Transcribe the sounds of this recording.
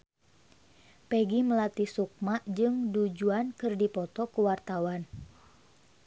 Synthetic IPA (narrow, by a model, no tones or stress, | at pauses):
pɛɡiməlat̪isuk̚maʔd͡ʒɨŋdud͡ʒuankɨrdipɔt̪ɔkuwart̪awan